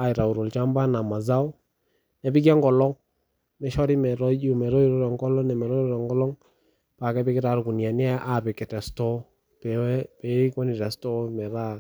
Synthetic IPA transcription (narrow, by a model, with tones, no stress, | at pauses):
a˨ɪ˨ɾa˨u˨ɾo˨lt͡ʃa˦mba˦na˨ma˨za˦ɔ˦ | nɛ˨bɪ˦k̬ja˦ŋɡɔ˨lɔ˦ŋ | mɛ˨˦ʃɔ˦ɾi˦mɛ˨ɾɔ˦d͡ʒu˦˨mɛ˨ɾɔ˦i˦ɾɔ˦ɾɛ˨ŋkɔ˦lɔ˦nɛ˨mɛ˨ɾɔ˦i˦ɾɔ˦ɾɛ˨ŋɡɔ˦lɔ˦ŋ | pa˨kɛ˦pɪ˦kɪ˦ta˨ɾku˨nja˨n˦ɛ˦ʔa˨pɛ˨kɛ˨tɛ˨stɔ˦ | pɛ˨wɛ˦pɛ˨˦i˦kɔ˦ni˨ɾa˨stɔ˦mɛ˨ɾa˦˨